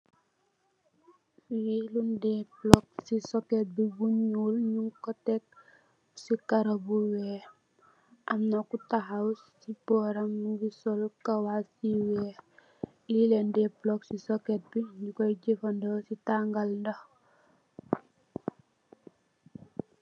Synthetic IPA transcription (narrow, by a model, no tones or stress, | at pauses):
wilundɛblɔk̚sisoket̚bibuɲulɲuŋkɔtek̚ | sikaɾabuweː | ʔamnakutaɦawssibɔɾaŋɡisɔlkawasiwɛ | lilendɛblɔksisoket̚biɲukɔɟifandowsitaŋɡalndɐ